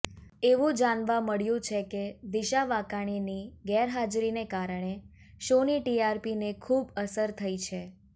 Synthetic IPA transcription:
eʋũd͡ʒanʋaməɭjũt͡ʃʰeked̪iʃaʋakaɽ̃iniɡɛɾɦad͡ʒɾinekaɾəɳ̃e | ʃoniʈiaɾpinekʰubəsəɾt̪ʰəit͡ʃʰe

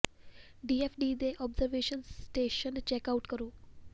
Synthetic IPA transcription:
ɖiːefʰɖiːd̪eːʔɔːbzɐɾʋeːʃɐnsʈeːʃɐnt͡ʃekawʈkɐɾu

